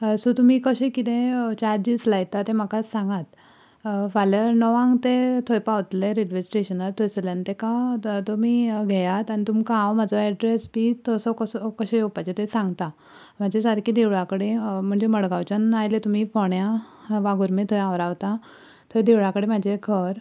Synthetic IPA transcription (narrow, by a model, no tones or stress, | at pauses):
sot̪um̤iːkəɕẽkit̪ẽt͡ɕaɾd͡ʑid͡zlajt̪at̪em̤akasãŋɡat̪ | faləɾnɔʋãŋɡt̪et̪ʰojpaʋt̪leɾeɖʋesʈeɕənəɾt̪ʰojslant̪ekat̪omiːɡʱɛjat̪añit̪umkããwm̤ad͡zɔɛɖɾesbit̪əsɔkəsɔkəɕejopat͡ɕet̪esãŋɡt̪a | m̤ad͡ʑesaɾkid̪eʋɭakəɽem̤əɳd͡zeməɽɡawt͡ɕənajlet̪um̤iːfoɳjaʋaɡuɾmet̪ʰojãʋɾaʋt̪a | t̪ʰod̪eʋɭakəɽem̤ad͡ʑekʰəɾ